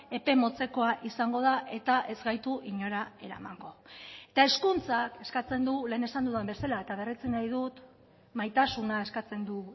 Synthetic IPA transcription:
e̞pe̞mo̞t͡se̞ko̞aʔisaŋɡo̞ð̞aʔe̞t̪aʔe̞zɡajt̪uʔiɲo̞ɾae̞̰ɾa̰ma̰ŋɡo̞e̞t̪ae̞skunt͡sake̞skat͡se̞nd̪ule̞ːne̞sand̪uðembe̞salae̞t̪aβerit͡sinajð̞ut̪ | majt̪asunae̞skat͡se̞nd̪u

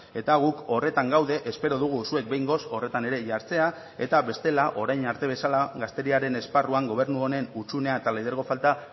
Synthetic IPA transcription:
e̞t̪aɣ̞uko̞re̞t̪aŋɡawðe̞ʔespe̞ɾo̞ðuɣ̞usue̞k̪̚be̞jŋɡo̞so̞re̞t̪ane̞ɾe̞ʝaɾt͡se̞a | e̞t̪aβe̞st̪e̞laʔo̞ɾajnaɾt̪e̞β̞e̞salaɣast̪e̞ɾiaɾe̞ne̞sparuaŋɡo̞β̞e̞ɾrnuone̞nut͡ʃune̞aet̪aleðeɾɣo̞falt̪a

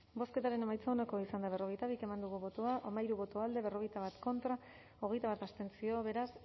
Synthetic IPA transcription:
bo̞ske̞t̪aɾe̞ne̞majt͡saonako̞isand̪aβ̞e̞ro̞ɣ̞e̞jt̪aβ̞ike̞mand̪uɣuβo̞t̪oaʔamaiɾuβo̞t̪oald̪e̞β̞e̞ro̞ɣ̞e̞jt̪aβat̪ko̞nt̪ɾa | o̞ɣe̞jt̪aβat̪ast̪e̞nt͡sio̞βe̞ɾas

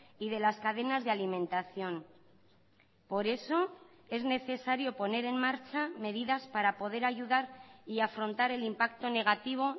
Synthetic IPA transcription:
iðe̞laskaðe̞nazðealimẽ̞nt̪aθjo̞n | po̞ɾe̞so̞ | e̞zne̞θe̞saɾjo̞po̞ne̞ɾe̞nmaɾt͡ʃame̞ð̞iðaspaɾapo̞ð̞e̞ɾaʝuðaɾiafɾo̞nt̪aɾe̞limpak̚t̪o̞ne̞ɣ̞at̪iβ̞o̞

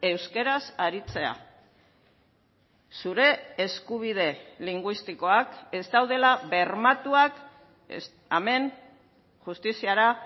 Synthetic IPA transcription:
e̞wske̞ɾasaɾit͡se̞a̰ | suɾe̞ːskuβ̞ið̞e̞liŋɡwist̪iko̞ake̞zt̪awð̞e̞laβe̞ɾmat̪uak | ame̞n | ʝust̪isiaɾa

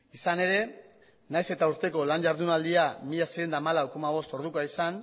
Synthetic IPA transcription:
isane̞ɾe̞ | najse̞t̪auɾt̪e̞ko̞lanʝaɾðunald̪iamiʎaseɣend̪aːmalawko̞maβ̞o̞st̪o̞ɾð̞ukoaisan

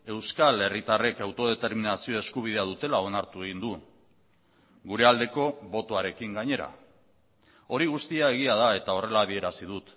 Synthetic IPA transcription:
e̞wskale̞rit̪are̞kawt̪o̞ð̞e̞t̪e̞ɾminasio̞e̞skuβ̞ið̞e̞aðut̪e̞laonaɾt̪ue̞ɣ̞ind̪u | ɡuɾe̞ald̪e̞ko̞βo̞t̪o̞aɾe̞kiŋɡaɲe̞ɾa̰ | o̞ɾiɣust̪iae̞ɣ̞iað̞ae̞t̪ao̞re̞laːβie̞ɾasið̞ut̪

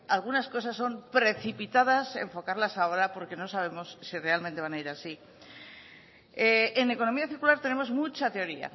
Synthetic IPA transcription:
alɣ̞unasko̞s̬asːo̞mpɾe̞θipit̪aðaseɱfo̞kaɾlasao̞ɾapo̞ɾke̞no̞saβ̞e̞mo̞sːire̞almẽnt̪e̞βanaiɾasi | eeneko̞no̞miaθiɾkulaɾt̪e̞ne̞mo̞zmut͡ʃat̪e̞o̞ɾia̰

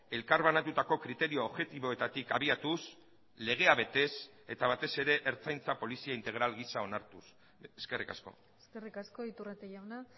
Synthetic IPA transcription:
e̞lkaɾβanat̪ut̪ako̞kɾit̪e̞ɾioːβʝe̞t̪iβo̞e̞t̪at̪ikaβiat̪us | le̞ɣ̞e̞aβe̞t̪e̞s | e̞t̪aβat̪e̞se̞ɾe̞ʔeɾt͡sajnt͡sapo̞lisiaint̪e̞ɣ̞ɾalɣisao̞naɾt̪us | eske̞rika̰sko̞̰ | eskerikasko̞it̪uret̪ejawna

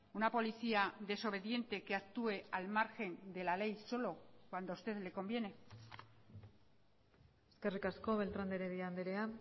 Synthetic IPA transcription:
unapo̞liθiaðe̞so̞β̞e̞ðje̞nt̪e̞ke̞ak̚t̪ue̞almaɾxe̞nd̪e̞lale̞jso̞lo̞kwand̪oust̪e̞ðle̞ko̞mbje̞ne̞ | eske̞rikasko̞βe̞lt̪ɾand̪eɾeðiand̪eɾea

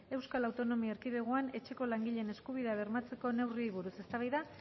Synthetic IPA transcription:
e̞wskalawt̪o̞no̞miaeɾkiðeɣ̞oane̞t͡ʃe̞ko̞laŋɡiʎe̞ne̞skuβ̞iðaβ̞e̞rmat͡se̞ko̞ne̞wriojβ̞uɾuse̞st̪aβajða

